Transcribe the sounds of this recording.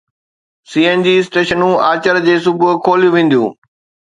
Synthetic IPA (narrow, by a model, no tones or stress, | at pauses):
siːend͡ʑiːsʈeːʃənũːaːt͡ɕəɾd͡ʑeːsʊbʊkʰoːlijũʋẽːn̆d̪ijṵ̃ː